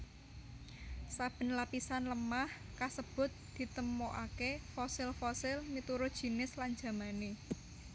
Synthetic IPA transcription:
sab̥ə̤nlapisanləmah | kasəb̥ʊ̤t̪̚d̪̥i̤t̪əmoʔakefɔsɪlfɔsɪlmit̪uɾʊd̥ʒ̥i̤nɪslaɲd͡ʒa̤mane

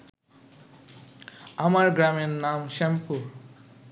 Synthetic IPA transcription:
amaɾɡɾamenːamʃempu

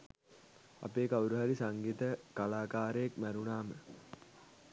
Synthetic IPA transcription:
a̰peːkawuɾuɦæɾisaŋɡit̪əkalaːkaːɾəjekmæɾunaːmə

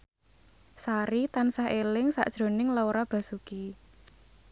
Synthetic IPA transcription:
saɾit̪ansaɦelɪŋsa̰ʔd̥ʒ̥ɾo̤nɪŋlawɾab̥a̤suki

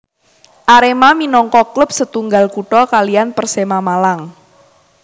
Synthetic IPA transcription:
ʔaɾemaminɔŋkɔklʊp̚sət̪uŋɡalkuʈɔkalianpərsemamalaŋ

